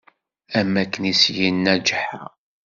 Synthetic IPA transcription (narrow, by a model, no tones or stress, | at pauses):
æmːækːənisjinːæd͡ʒħa̰